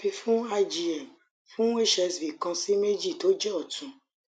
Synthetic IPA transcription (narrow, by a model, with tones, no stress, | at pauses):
bĩ˧fũ˦a˧d͡ʒi˧ɛ˨m | fũ˦e˦ʃɛ˧sbi˨kã˧si˦me˦d͡ʒi˦˨to˦d͡ʒɛ˦ɔ˦˨tũ˨